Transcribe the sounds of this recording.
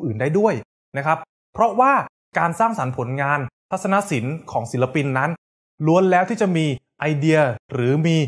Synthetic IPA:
ʔɯː˨˩ndaː˥˩jdu˥˩əj | na˦˥kʰɾa˦˥pʰː | ɾɔ˦˥waː˥˩ | kaː˧nsaː˥˩ŋsa˩˦npʰo˩˦nŋaː˧nt̪ʰa˦˥t̪̚sa˧na˦˥ʔsi˩˦nkʰɔː˩˦ŋsi˩˦la˧pi˧nːa˦˥n | lu˧˥ənlɛː˦˥wt̪ʰiː˥˩t͡ɕa˨˩ʔmiː˧ʔa˧jdi˧ɐɾɯː˩˦miː˧

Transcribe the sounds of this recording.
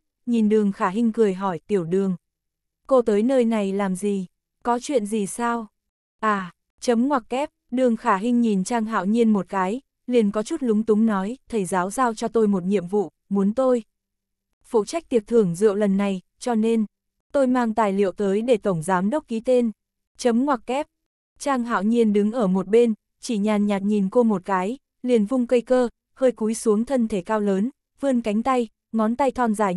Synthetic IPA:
ɲi˨˩nɗɨ˨˩əŋxaː˧˩ɦï˧ŋ̟kɨ˨˩əjɦɔ˧˩jt̪i˧˩əwɗɨ˨˩əŋ | ko˧t̪əː˨˦jnəː˧jna˨˩jlaː˨˩mzi˨˩ | kɔ˨˦t͡ɕwḭ˧˨ənzi˨˩saː˧w | ʔaː˧˩ | t͡ɕə˨˦mŋwaː˨˩k̚kɛ˦˥p̚ɗɨ˨˩əŋxaː˧˩ɦï˧ŋ̟ɲi˨˩nt͡ɕaː˧ŋɦa̰ː˧˨wɲi˧ənmo˨˩t̚kaː˨˦j | li˨˩ənkɔ˨˦t͡ɕu˦˥t̚lʊ˨˦ŋ͡mt̪ʊ˨˦ŋ͡mnɔ˨˦jt̪ʰə˧˩jzaː˨˦wzaː˧wt͡ɕɔ˧t̪o˧jmo˨˩t̚ɲḭ˧˨əmvṵ˧˨ | mu˨˦ənt̪o˧j | fṵ˧˨t͡ɕa˦˥k̚t̪i˨˩ək̚t̪ʰɨ˨˩əŋzɨ̰˧˨əwlə˨˩nːa˨˩j | t͡ɕɔ˧ne˧n | t̪o˧jmaː˧ŋt̪aː˨˩jlḭ˧˨əwt̪əː˨˦jɗe˧˩t̪ə˧˩wŋ͡mzaː˨˦mɗə˦˥k͡p̚ki˨˦t̪e˧n | t͡ɕə˨˦mŋwaː˨˩k̚kɛ˦˥p̚ | t͡ɕaː˧ŋɦa̰ː˧˨wɲi˧ənɗɨ˨˦ŋʔəː˧˩mo˨˩t̚ɓe˧n | t͡ɕi˧˩ɲaː˨˩nɲaː˨˩t̚ɲi˨˩nko˧mo˨˩t̚kaː˨˦j | li˨˩ənvʊ˧ŋ͡mkə˧jkəː˧ | həː˧jku˨˦jsu˨˦əŋt̪ʰə˧nt̪ʰe˧˩kaː˧wləː˨˦n | vɨ˧ənka˨˦ŋ̟t̪a˧j | ŋɔ˨˦nt̪a˧jt̪ʰɔ˧nzaː˧˩jŋ

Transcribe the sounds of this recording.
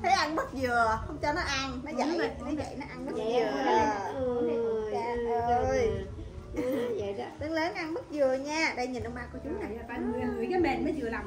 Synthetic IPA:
t̪ʰə˨˦jʔa˧nɓə˦˥t̚zɨ˨˩əhə˧wŋ͡mt͡ɕɔ˧nɔ˨˦ʔa˧nnɔ˨˦zə̰˧˩˨jnɔ˨˦zə̰˧˨jnɔ˨˦ʔa˧nɓə˦˥t̚zɨ˨˩˨ | aː˧o˧˩j | t̪ɨ˨˧˦ŋləː˨˦nʔa˧nɓə˦˥t̚zɨ˨˩əɲaː˧ɗə˧jɲi˨˩nʔə˧wŋ͡mɓa̰˧˨ku˧˩ət͡ɕʊ˨˦ŋ͡maː˨˩˨a˨˦˧kaː˨˦ɓɛ̰˧˨nməː˨˦jzɨ˨˩əla˨˩m

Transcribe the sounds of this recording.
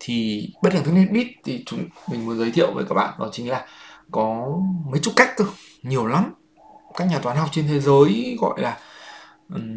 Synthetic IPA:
t̪ʰi˨˩ɓə˦˥t̚laː˨˩t̪ɨ˦˥ni˦˥t̚ɓi˦˥t̚t̪ʰi˨˩t͡ɕʊ˨˦ŋ͡mmï˨˩ŋ̟mu˨˦ənzə˨˦jt̪ʰḭ˧˨əwvəː˨˦kaː˦˥k̚ɓa̰ː˧˨nnɔ̰˨˦jt͡ɕï˨˦ŋ̟laː˨˩kɔ˨˦mə˨˦jt͡ɕʊu˦˥t̚ka˦˥jk̚t̪ɨ˧˩ | ɲi˨˩əwla˨˦m | kaː˦˥k̚ɲaː˨˩t̪waː˨˦nha˨˩wk͡p̚t͡ɕe˧nt̪ʰe˨˦zəː˨˦jɣɔ̰˧˨jlaː˨˩ | ʔ̩˨˩

